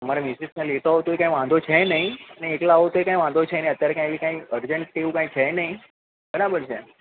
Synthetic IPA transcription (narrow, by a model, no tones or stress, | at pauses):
əmaɾemɪsid͡ʒnãlet̪aɦot̪uekãĩʋãnd̪ʱot͡ʃʰenəɦĩəneːklaɦot̪oekãj̃ʋãnd̪ʱot͡ʃʰenəɦĩət̪jaɾekãjʋikãĩəɾd͡ʒəɳʈ̚keũkãĩt͡ʃʰenəɦĩ | bəɾabəɾt͡ʃʰe